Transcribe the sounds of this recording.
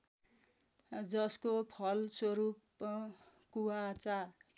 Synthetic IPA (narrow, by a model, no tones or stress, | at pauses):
d͡zʌskopʰʌlswʌɾup̚ | kuwat͡sa